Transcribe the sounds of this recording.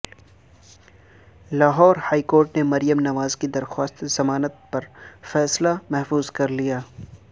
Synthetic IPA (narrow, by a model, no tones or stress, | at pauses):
laːɦɔːɾhaːikoːɾʈnemɐɾijəmnɐʋaːzkid̪ɐɾxwaːst̪z̥ɐmaːnət̪̚pɐɾfɛːslamɛɦfuːzkɐɾlijaː